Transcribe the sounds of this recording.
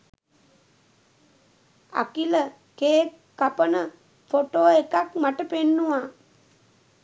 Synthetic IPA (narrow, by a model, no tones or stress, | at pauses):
a̰kilə | keːkːapənə | foʈoːekakmaʈəpenːuʋaː